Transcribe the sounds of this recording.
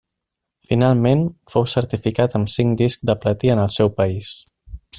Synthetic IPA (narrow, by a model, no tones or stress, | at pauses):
finalˠmenfowsəɾt̪ifikat̪əmsiŋd̪iskd̪əplət̪iənəlˠsɛwpəis